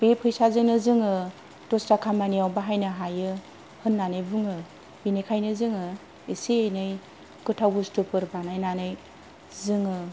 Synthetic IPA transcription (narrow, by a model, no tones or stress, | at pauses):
pepʰɯjsazɯnɯzɯŋɯ | tostakʰamaniawbaɦajnɯɦajɯ | hɯnːanɯjbuŋɯ | binɯjkʰajnɯzɯŋɯ | isiejnɯj | kɯtʰawbustupɯɾpanajnanɯj | zɯŋɯ